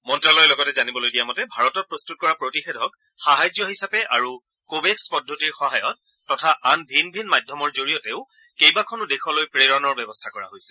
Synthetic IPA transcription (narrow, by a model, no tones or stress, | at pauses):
mɔntɹalɔjɛlɔɡɔtɛzanibɔlojdijamɔtɛbʱaɹɔtɔt̚pɹostut̚kɔɹapɹotixedʱɔk | xaɦajzjɔɦisapɛʔaɹu | kobekspɔdʱːotiɹxɔɦajɔtː | ɔtʰaʔanbʱinbʱinmajdʱɔmɔɹzoɹijɔtɛʊ | kejbakʰɔnʊdexʰɔlojpɹeɹɔnɔɹbɛbɔstʰakɔɹa̰ɦojsɛ̥